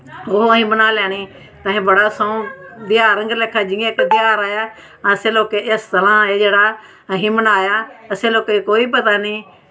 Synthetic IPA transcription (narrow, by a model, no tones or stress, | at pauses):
oɦɦĩːmənaːljaːnĩː | t̪ãːɦĩːbəɽaːsoũd̪ɪjaːɾə̃ŋɡleːkʰaːd͡ʒɪ̃ẽːkd̪ɪjaːɾaːjaː | sẽːloːkeːʔesd̪əlãːed͡ʒeːɽaː | ɦĩmənaːjaːəsẽːloːkekoːiːpət̪aːniː